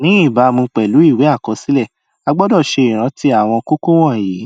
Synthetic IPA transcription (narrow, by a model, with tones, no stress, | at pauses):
nĩ˨˦i˦˨ba˨˦mũ˧k͡pɛ˨lu˨˦i˦˨we˨˦a˦˨kɔ˧˦si˨˦lɛ˦˨ | a˧ɡ͡bɔ˦dɔ˦˨ʃe˧i˨ɾ̃ã˨˧˦ti˦a˦˨w̃ɔ̃˧ko˦ko˦w̃ɔ̃˦˨ji˨˦